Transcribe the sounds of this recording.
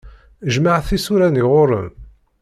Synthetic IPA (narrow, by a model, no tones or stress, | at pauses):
ʒmaʕθisuɾæniʁoɾˤə̰m